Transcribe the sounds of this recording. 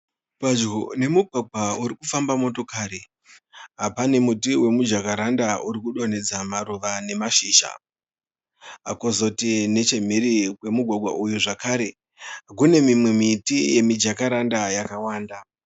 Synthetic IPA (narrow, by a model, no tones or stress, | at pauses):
pwad͡ʒɡone̞muɡʱwaɡʱwauɾikufambamo̞to̞kaːɾi | ɦapane̞mutiwe̞mud͡ʒakaɾandauɾikuɗo̞ne̞d͡zamaɾuʋane̞maʃiːʃa̰ | ɦa̰kozo̞tine̞t͡ʃe̞m̤iɾikwe̞muɡʱwaɡʱwa̰ʔujuʐakaːɾe̞ | kune̞mimwe̞mitije̞mid͡ʒakaɾandajakawaːnda